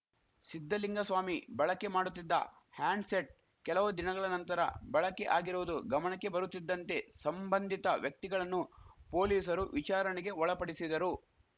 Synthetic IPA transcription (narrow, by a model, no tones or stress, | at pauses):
sid̪ʱːɐliŋɡɐsʋaːmibɐɭɐkːe̞maːɽut̪ːid̪ːɐ̰ | haːɳɖseʈ̚ | kɛlɐʋud̪inɐɡɐɭɐnɐnt̪ɐɾɐ̰bɐɭɐkːe̞̰ʔaːɡiɾuʋɐd̪uɡɐmɐɳɐkːe̞bɐɾut̪ːid̪ːɐnt̪e̞sɐmbɐnd̪ʱit̪ɐʋjɐk̚t̪iɡɐɭɐnːupo̞ːliːsɐɾuʋit͡ʃaːɾɐɳiɡe̞ɔɭɐpɐɽisid̪ɐɾu